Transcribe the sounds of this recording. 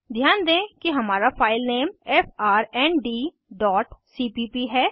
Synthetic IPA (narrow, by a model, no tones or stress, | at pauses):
d̪ʱjaːnd̪ẽːkiɦɐmaːɾapaːɪlneːmɛːfaːɾɛːnɖiː | ɖɔːʈsiːpipiɦɛː